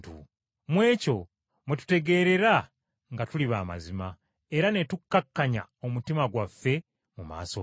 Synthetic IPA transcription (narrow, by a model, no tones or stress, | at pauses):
tṵ | mwe̞ːco̞ | mwetu̥te̞ɡe̞ːɾe̞ɾa | ŋɡatuliβaːma̰zima | eɾane̞tukːakːaɲa̰o̞mutimaɡwafːe̞ | muma̰ːso̰